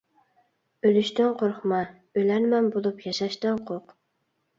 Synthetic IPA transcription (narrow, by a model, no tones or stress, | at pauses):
ølyʃt̪ɪnqʰoɾχmɑ | ølænmɛnbolˠupjɑʃɑʃt̪ɑnqʰoq